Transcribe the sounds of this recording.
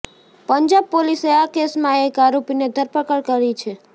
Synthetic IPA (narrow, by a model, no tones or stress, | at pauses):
pəɲd͡ʒab̚poliseakesmãekaɾopined̪ʱəɾpəkəɭkəɾit͡ʃʰe